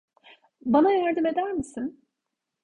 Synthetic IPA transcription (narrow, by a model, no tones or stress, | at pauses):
banajæɾd̪ɯme̞d̪æɾmisin